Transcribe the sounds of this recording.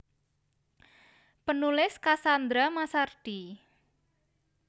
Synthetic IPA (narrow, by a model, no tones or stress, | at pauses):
pənulɪskasand̪ɾamasard̪̥i